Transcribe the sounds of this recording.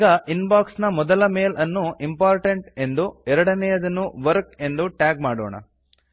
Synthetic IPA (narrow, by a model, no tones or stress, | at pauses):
ɡɐʔinbaːksnɐmɔd̪ɐlɐmeːlɐnːuimpaːɾʈɐɳʈe̞nd̪uɛɾɐɽɐnɛjɐd̪ɐnːuʋɐɾke̞nd̪uʈaːɡ̚maːɽo̰ːɳɐ̰